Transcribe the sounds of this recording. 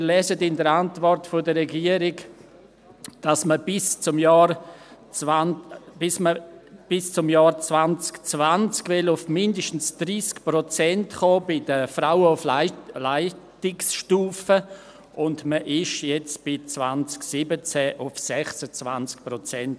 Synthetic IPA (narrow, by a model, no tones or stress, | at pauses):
mɾlɛzədɪndəɾantvɔrtfodəɾɛɡiəɾɪɡ | d̥asməb̥ɪst͡sʊmjɑːɾ | anb̥ɪsməb̥ɪst͡sʊmjɑːɾt͡svant͡skt͡svant͡skvɪlʊfmɪndəʃtən̩sd̥ɾiːskpɾɔt͡sɛntχoːbɪd̥əfɾaʊəʊfllaɪtɪksʃtuːfə | ʔʊndməʔɪʃjɛt͡sb̥ɪt͡svant͡sksɪbət͡sɛʔʊfsɛχsət͡svant͡sk̚pɾɔt͡sɛnt